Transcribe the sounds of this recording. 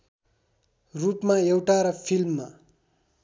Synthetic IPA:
rupmaewʈaɾʌpʰilmːa

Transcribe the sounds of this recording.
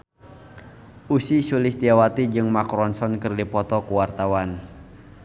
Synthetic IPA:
ʔusisuliht̪iawat̪id͡ʒɨŋmakɾɔnsɔnkɨrdipɔt̪ɔkuwart̪awan

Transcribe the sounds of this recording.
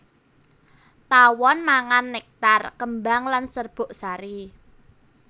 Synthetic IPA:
t̪awɔnmaŋanːek̚t̪arkəmbaŋlansərb̥o̤ʔsaɾi

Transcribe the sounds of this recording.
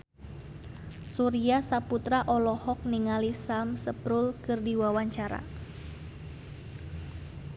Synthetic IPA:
suɾiasaput̪ɾaʔɔlɔhɔk̚niŋalisamsəpɾulkɨrdiwawaɲt͡ʃaɾa̰

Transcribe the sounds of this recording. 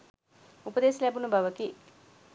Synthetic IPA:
upɐd̪eːsilaːbunubʱɐʋɐki

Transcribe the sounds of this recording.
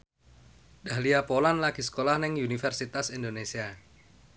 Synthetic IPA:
d̥aɦliapolanlaɡ̥is̬ə̥kolahnɪŋunifɛrsit̪asind̪onesia

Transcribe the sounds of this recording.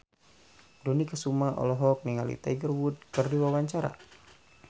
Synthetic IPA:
dɔnikəsumaʔɔ̰lɔɦɔk̚niŋalḭt̪a̰ɡərwud̚kərdiwawaɲt͡ʃaɾa̰

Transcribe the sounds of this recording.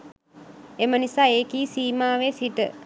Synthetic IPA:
emənisaːeːkiːsiːmaːʋeːsiʈə

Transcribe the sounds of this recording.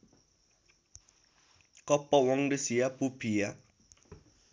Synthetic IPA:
kɔpɔwɔŋdisiapupʰija

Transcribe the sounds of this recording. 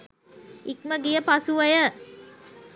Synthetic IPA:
ik̚məɡijəpasuʋəjə

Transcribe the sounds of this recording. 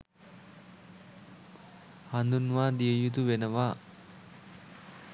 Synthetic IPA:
hand̪unʋaːd̪ijəjut̪̬uʋenəʋaː

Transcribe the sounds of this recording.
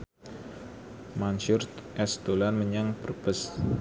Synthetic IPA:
manʃʊrʔɛst̪olanməɲaŋpərbəs

